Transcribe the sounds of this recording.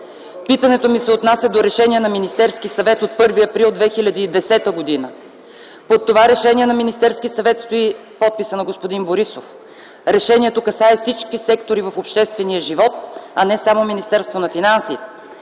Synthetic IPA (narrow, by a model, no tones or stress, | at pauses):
pit̪ənɛt̪omisɛot̪nasʲɐd̪oɾɛʃɛniɛnɐminist̪ɛɾskisɐvɛt̪ot̪̚pɤɾviɐpɾilˠd̪vɛxilʲəd̪iːd̪ɛsɛt̪əɡod̪inə | pot̪ːovaɾɛʃɛniɛnɐminist̪ɛɾskisɐvɛt̪st̪oipɔt̪̚pisənɐɡospod̪inboɾisof | ɾɛʃɛniɛt̪okɐsaɛfsit͡ʃkisɛkt̪oɾivɐfopʃt̪ɛst̪vɛniəʒivɔt̪ɐnɛsamominist̪ɛɾst̪vonɐfinansḭ